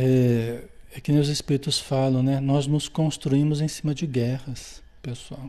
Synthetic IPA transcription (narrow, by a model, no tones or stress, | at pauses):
ɛ | ɛkɪnewzespiɾit̪ʊsfalɐ̃w̃nɛnɔznʊskõst̪ɾuĩmʊzẽsĩmɐd͡ʒɪɡɛhɐs | pesuaw